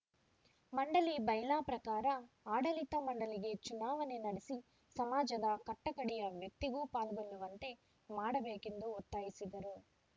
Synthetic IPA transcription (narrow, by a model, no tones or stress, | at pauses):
mɐɳɖɐlibɐjlaːpɾɐkaːɾɐ | aːɽɐlit̪ɐmɐɳɖɐliɡe̞t͡ʃunaːʋɐne̞nɐɽesi | sɐmaːd͡ʒɐd̪ɐkɐʈːɐkɐɽijɐʋjɐk̚t̪iɡuːpaːlɡɐɭːuʋɐnt̪e̞ | maːɽɐbeːkend̪uɔt̪ːaːjisid̪ɐɾu